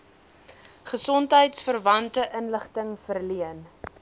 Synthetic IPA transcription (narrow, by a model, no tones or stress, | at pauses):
χəsɔntɦəjtsfərvɐntəʔənləχtəŋfərliən